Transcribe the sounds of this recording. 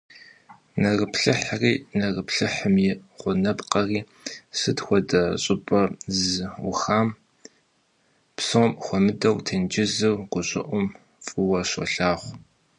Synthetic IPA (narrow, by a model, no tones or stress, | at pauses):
nɐrəpɬɨħriːnɐrəpɬɨħəmjɪχʷʊnɐpqɐriː | sɨdxʷɔdɐɕʼɪpʼɐzwʊxaːm | psomxʷɔmɨdɐwtʰɐnd͡ʒɪzɨwɡʷʊɕʼɪʔʷʊm | fʼɨwɐɕʷɔ̰ɬaːχʷ